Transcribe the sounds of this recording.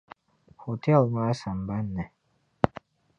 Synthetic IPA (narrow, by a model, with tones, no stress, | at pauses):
ho˨tʰɛ˦˨lma˦sa˨mba˦nːɛ˨